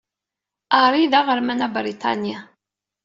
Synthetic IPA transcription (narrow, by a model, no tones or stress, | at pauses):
aɾˤiðaʁəɾmænabɾit̪ʰɑ̰nja